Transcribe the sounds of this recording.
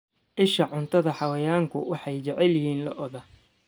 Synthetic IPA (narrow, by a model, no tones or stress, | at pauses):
ʕɪʃɐʕʊnt̪ʰɐðɐħɑwɐjaːŋkʰʊwɑħɑjt͡ʃɛʕɛljɪhiːnlɐʔɔðɐ